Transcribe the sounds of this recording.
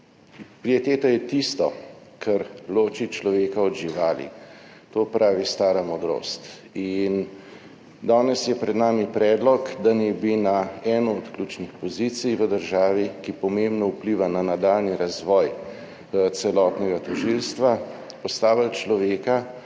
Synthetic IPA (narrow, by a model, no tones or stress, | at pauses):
pɾiet̪eːt̪ɔjɛt̪ist̪ɔkʰɛɾloːt͡ʃit͡ʃlɔʋeːkaɔd̪ʒiʋaːlḭ | t̪oːpɾʔaːʋist̪aːɾamɔd̪ɾo̰ːst̪ | in | d̪aːnɛsjɛpɾɛd̪naːmipɾɛːd̪lɔkd̪anɛbinaɛːnɔːt̪kluːt͡ʃnixpɔzit̪sijʋəd̪əɾʒaːʋikipɔmembnɔupliːʋananad̪alniɾazʋɔːj | t̪sɛlɔːt̪nɛɡat̪ɔʒilst̪ʋa | pɔst̪aːʋalt͡ʃlɔʋeːka